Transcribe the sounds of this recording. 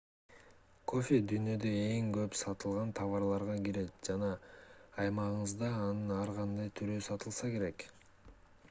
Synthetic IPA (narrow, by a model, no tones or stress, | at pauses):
kʰo̞fʲed̪yjnø̞d̪øeŋɡø̞psɑt̪ɯlˠʁɑnt̪ʰɑvɑɾlˠɑɾʁɑɡiɾe̞t̪̚d͡ʒɑnɑː | jmɑʁəɴɯzd̪ɑːnɯnɑɾqɑnd̪ɑjt̪ʰyɾøːsɑt̪ɯlˠsɑke̞ɾe̞k